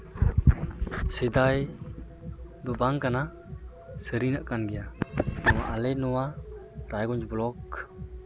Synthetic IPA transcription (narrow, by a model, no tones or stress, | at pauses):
sid̪aj | d̪ɔbaŋkana | səɾinaʔkanɡɛjanɔwaʔalɛnɔwa | ɾajɡɔɲd͡ʒblɔk